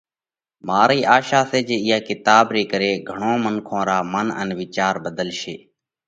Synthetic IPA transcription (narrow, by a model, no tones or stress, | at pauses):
maːɾiːʔaːʃaːseːd͡ʒeːɪjaːkɪt̪aːbɾeːkəɾeːɡʱəɳõːmənkʰõːɾaːmənə̰nʋɪt͡ʃaːɾbəd̪əlʃeː